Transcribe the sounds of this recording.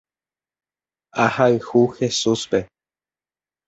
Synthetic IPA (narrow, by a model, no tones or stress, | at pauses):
ahaɨhuxe̞suspe̞